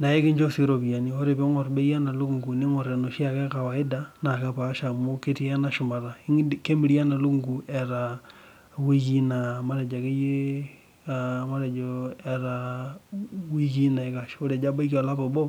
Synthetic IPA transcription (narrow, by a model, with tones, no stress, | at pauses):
na˨e˦ke˦ɲd͡ʒo˦si˦ɾo˨βia˨nio˦ɾe˨βe˦ŋo˨ɾbe˦ija˦na˨lo˦ŋɡu˨ne˦ŋo˨ɾe˨no˨ʃi˦a˦ke˦ka˨wa˨i˦da˦na˨ka˨pa˦ʃa˨mo˦ke˦ti˦a˦na˨ʃo˨ma˨ɾa˨iŋke˦mi˦ɾi˦a˦na˨lu˦ŋɡu˨e˨ɾa | wi˦ɣi˦na˨ma˦ɾe˨d͡ʒa˨ke˦je˦ | ama˦ɾe˨d͡ʒoe˨ɾa | wi˦ɣi˦na˨e˨ka˨ʃo˦ɾe˨d͡ʒa˦ba˦i˦ko˨la˦βo˨bo˦